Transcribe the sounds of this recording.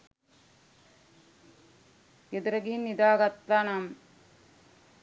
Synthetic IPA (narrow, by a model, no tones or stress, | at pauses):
ɡed̪ɾɐɡinːid̪aːɡɐt̪lanɐm